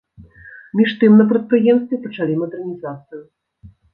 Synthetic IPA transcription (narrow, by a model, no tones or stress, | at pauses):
mʲiʂt̪ɨmnɐpɾɐt̪̚pɾɨjɛmst̪vʲɛpɐt͡ʂalʲimɐd̪ɛrnʲizat̪sɨju